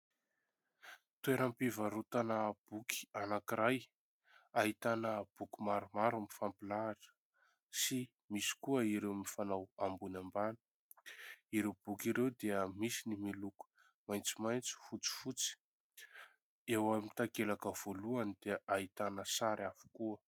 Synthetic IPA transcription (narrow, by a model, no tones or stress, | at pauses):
t̪ueɾampivaɾut̪anab̥ukʰi̥anakiɾaj | aɦit̪anəb̥ukʲimaɾumaɾumifampilaːʈ͡ʂə̥ | si | misi̥kuəiɾewmifanawambunambani̥ | iɾewb̥ukiɾewd̪eəmisinimiluku̥ | majnt͡simajnt͡si̥fut͡si̥fut͡si̥ | ewamit̪akelakəv̥oluanid̪eaɦit̪anəsaɾʔafu̥kuə